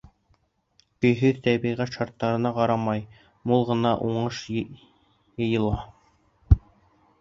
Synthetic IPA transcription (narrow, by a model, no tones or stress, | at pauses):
kɵ̆jɦɵðt̪æβiʁæt̪ʃɑɾt̪ːɑɾɤ̆nɑqɑɾɑmɑj | mulˠʁɤ̆nɑʔuɴɤʃ | jɤ̆jɤ̆lˠɑ